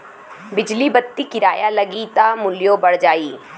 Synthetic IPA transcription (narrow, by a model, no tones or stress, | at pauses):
bɪd͡ʒlibət̪ːikɪɾaːjalɐɡit̪amʊljobəɽ̤d͡ʒaːiː